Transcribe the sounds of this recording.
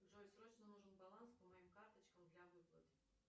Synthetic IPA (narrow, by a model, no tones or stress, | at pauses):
wʐolʲsɾɔt͡ʃnɔnuʐɨnbɐlˠanspɔmɐjimkart̪ɐt͡ɕkɐmd̪lʲɐʋɨplˠɐ̰t̪ɪ